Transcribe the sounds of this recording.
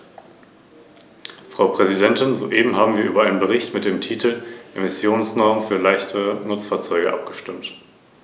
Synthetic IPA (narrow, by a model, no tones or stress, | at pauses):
fʁ̥aʊpʁ̥ɛzidɛntɪnzo̰ːʔeːbm̩ɦaːbm̩viːɐʔyːbɐʔaɪnənbəʁ̞ɪçtmɪt̚d̥eːmtʰiːtl̩ʔemɪsjoːnsnɔɐmənfyːɐlaɪçtʰənʊt͡sfaːɐt͡sɔʏɡə̰ʔa̰p̚ɡ̥əʃtɪmt